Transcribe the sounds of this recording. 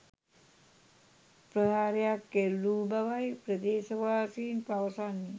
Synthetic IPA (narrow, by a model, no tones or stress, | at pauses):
pɾəɦaːɾijakːelːubawajpɾəd̪eːsəʋaːsiːnpaʋəsani